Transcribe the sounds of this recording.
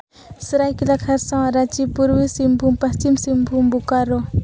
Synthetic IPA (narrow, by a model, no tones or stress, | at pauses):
sɾajkilakʰɐɾsãaɾat͡ʃipuɾwisimbʱumpɐst͡ʃimsimbʱumbukaɾo